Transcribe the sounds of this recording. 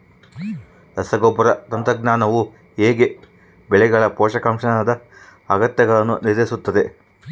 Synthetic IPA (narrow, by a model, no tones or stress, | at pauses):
lɐsɐɡobːɐɾɐt̪ɐnt̪ɾɐɡnaːnɐʋu | eːɡe̞ | bɛɭɛɡɐɭɐpɔːʂɐkɐmʂɐnɐd̪ɐɐɡɐt̪jɐɡɐɭɐnːṵniɾd̪esut̪ːɐd̪e̞